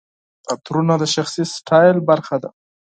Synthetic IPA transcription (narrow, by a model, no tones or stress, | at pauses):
at̪ɾunad̪əʃaxsisʈʰɑjlbaɾxad̪a̰